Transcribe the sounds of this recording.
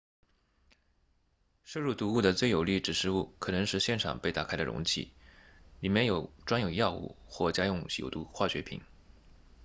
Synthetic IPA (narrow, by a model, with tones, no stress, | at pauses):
ʂɤ˥˧ɻu˥˩t̪u˧˥u˥˩d̪ə˩t͡swe˥˩ɪjo˨˩ʊli˥˩ʈ͡ʂɻ̩˨˩ʂɻ̩˥˧u˥˩kʰɤ˨˩nɤ˧˥ŋʂɻ̩˥˧ɕjɛ˥˩nʈ͡ʂʰɑ̰˨˩ŋpe˥ɪt̪a̰˨˩kʰa˥ɪd̪ə̰˨ɻʊ̰˧˥ŋt͡ɕʰḭ˥˩li˨˩mjɛ˥˩njo˨˩ʊʈ͡ʂwa˥njo˨˩ʊjɑ˥˧ʊṵ˥˩xwɔ˥˩t͡ɕja˥jʊ˥˩ŋɕjo̰˨˩ʊt̪u˧˥xwa˥˩ɕɥɛ˧˥pʰḭ˨˩˦n